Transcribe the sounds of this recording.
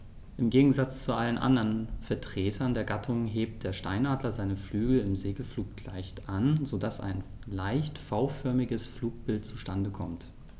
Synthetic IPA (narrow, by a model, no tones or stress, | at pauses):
ʔɪmɡeːɡŋ̩zat͡st͡suʔalənʔa̰ndɐnfɛɐtʁ̥eːtʰɐndeːɐɡatʰʊŋɦeːp̚t̚d̥eːɐʃtaɪnʔaːdlɐzaɪnəflyːɡl̩ɪmzeːɡəfluːk̚tʰla̰ɪçtʔanzodasa̰ɪn | laɪçtfaʊfœɐmɪɡəsfluːk̚b̥ɪlt̚t͡suʃtandəkʰɔmt